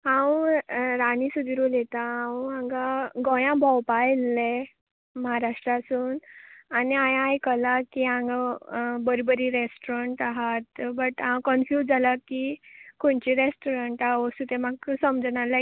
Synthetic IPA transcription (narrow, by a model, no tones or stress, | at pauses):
ɦãwɾanisud̪ʱiɾulet̪aɦãwãŋɡaɡɔjãbʱɔwpajlːe | məɦaɾaʂʈɾasuːnaniajajkəlakiãŋɡabəɾibəɾiɾesʈoɾəɳʈaɦat̪bəʈɦãwkənfjud͡zʱalakikoɳt͡ɕiɾesʈoɾəɳʈaosut̪emaksəmd͡znala